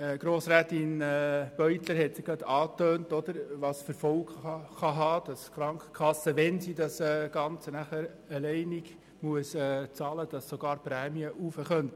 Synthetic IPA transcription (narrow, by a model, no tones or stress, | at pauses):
ɡ̥ɾoːsɾæːtɪnɛb̥œʏtləɾhɛtsɪɡ̥ɑd̪ɑːtøːntɔd̥̪əɾʋɑːsfəɾfɔlkɑχɑɦɑːd̥ɑskɾɑŋkχə̥kʰɑsːəʋɛnsidɑsɛɡ̥ɑnt͡sənæχəɾ | əlɛɪnɪɡ̥ | muəsɛːt͡sɑːləd̥ɑssoɡ̥ɑːɾpɾæːmiəʔufəχœnt